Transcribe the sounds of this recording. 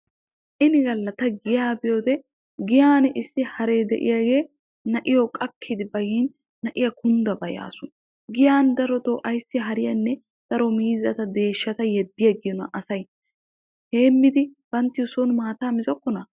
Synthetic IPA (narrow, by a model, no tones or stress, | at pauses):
ʔɪnɪɡɐlːɐt̪ɐɡɪjaːbɪjoːd̪ɛ | ɡɪjaːnɪsːɪhɐɾeːd̪ɛ̰ʔɪ̰jaːɡe̞ː | nɐʔɪjɔkʼɐkʰːid̪ɪbɐjiːnː | ɐʔɪjɐkʊnd̪ɐbɐja̰ːsʊn | ɡɪjaːnd̪ɐɾɔt̪oːʔɐjsːɪɦɐɾɪjɐnːɛ | d̪̥ɐɾɔmiːzɐt̪ɐd̪e̞ːʃːɐt̪ɐjɛd̪ːɪjɐɡɪjɔnɐ̰ʔɐsɐj | heːmːɪd̪ɪb̥ɐnt̪ɪjɔsonmaːt̪aːmɪzɔkːɔnɐ